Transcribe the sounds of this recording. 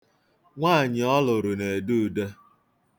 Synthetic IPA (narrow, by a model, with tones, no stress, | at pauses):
ŋʷaː˦˨ɲɪ˨ɔ˦lʊ˨ɾʊ˨ne˨e˨du˦˨de˦